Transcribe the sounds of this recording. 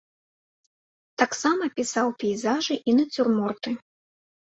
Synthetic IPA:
t̪aksamɐpʲisawpʲɛjzaʐɨʔinɐt͡sʲurmɔrt̪ɨ

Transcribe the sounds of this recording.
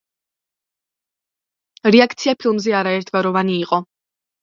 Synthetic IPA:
ɾɛakʰt̪sʰiapʰilˠmzɛaɾaɛɾt̪ʰvaɾɔvaniːqʼɔ

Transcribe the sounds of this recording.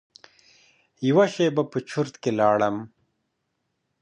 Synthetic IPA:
jiwaʃejbɐpət͡ʃʰuɾt̪kelaːɽɐm

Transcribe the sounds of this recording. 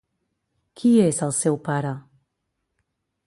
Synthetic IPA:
kʰiezəlˠsewpaɾə

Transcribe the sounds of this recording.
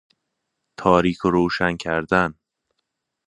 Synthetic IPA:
t̪ʰɒːɾiːkʰoɾoːʃæncʰæɾd̪æn

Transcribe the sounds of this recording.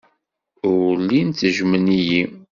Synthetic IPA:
ʊlːinəʒməniji

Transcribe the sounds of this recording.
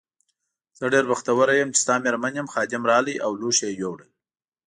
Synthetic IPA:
z̥əɖeɾbaxt̪awəɾajəmt͡ʃɪ̥st̪ɑmeɾmanjəmxɑd̪ɪmɾɑləjʔawluʃejowɽə

